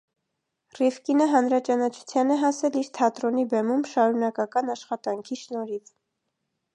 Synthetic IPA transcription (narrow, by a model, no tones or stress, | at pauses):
rifkinəɦɑnɾɑt͡ʃɑnɑt͡ʃʰu̥t͡sʰjɑnɛɦɑsɛliɾt̪ʰɑt̪ɾɔnibɛmumʃɑɾunɑkɑkɑnɑʃχɑt̪ɑŋkʰiʃnɔɾit͡sʰ